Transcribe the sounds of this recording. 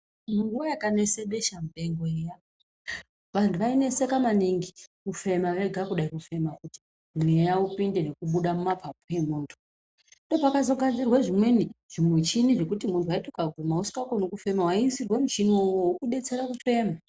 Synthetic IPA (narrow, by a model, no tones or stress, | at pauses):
muŋɡuwajakane̞seɗe̞ʃamuɗe̞ŋɡoeja | ʋantʰuʋaine̞sekamaniŋɡikufe̞maʋeɡʱakuɗaikufe̞makuti̥ | mumweejaupinde̞ne̞kuɓuɗamumapapoe̞muːntʰu̥ | ndo̞pakazo̞ɡʱand͡zirwaʐimweniʐ̥imwet͡ʃiniʐe̞kutimuntʰuwaitokaɡʱumausi̥kakonokufe̞mawaiːsirwemut͡ʃinowwokuɗe̞t͡se̞ɾakufe̞ːma